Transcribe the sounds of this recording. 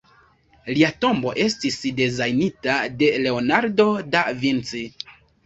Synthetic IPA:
liato̞mbo̞ʔe̞stisde̞zajnitade̞le̞o̞naɾdo̞davint͡si

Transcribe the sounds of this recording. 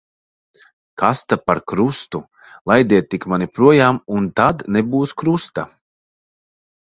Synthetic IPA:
kʰast̪apaɾkɾust̪u | lˠajd̪ʲiɛt̪̚ːikmanipɾuɔjaːmunt̪ad̪nɛbuːskɾust̪a

